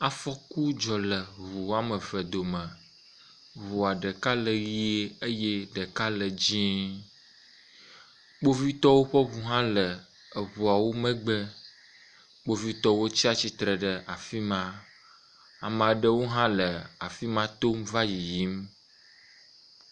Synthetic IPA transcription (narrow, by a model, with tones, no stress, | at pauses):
a˨fɔ˦ku˦d͡ʒɔ˨lə˨βu˨a˦mə˨və˨d̪o˨mə̃˨ | βu˨a˨ɖə˨ka˦lə˨ɣi˦e˦ə˦je˦ɖə˨ka˦lə˨d͡ʑĩ˦ | ɡ͡bo˦vi˦t̪ɔ˦wo˦ɸə˦βu˨ɦã˦lə˨ | ə˨βu˨a˨wo˦mə̃˦ɡ͡bə˦ | ɡ͡bo˦vi˦t̪ɔ˦wo˦t͡ɕi˦a˨t͡ɕi˦t̪ɾə˨ɖə˨ʔa˨fi˦mã˦ | a˨mã˨ɖə˦wo˦ɦã˦lə˨a˨fi˦mã˦t̪o˦mva˦ji˨ji˦m